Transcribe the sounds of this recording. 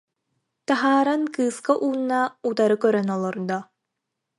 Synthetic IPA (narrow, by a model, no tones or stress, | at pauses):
t̪aɦaːɾankɯːskaʔuːnːaut̪aɾɯkœɾœnɔlˠɔɾd̪ɔ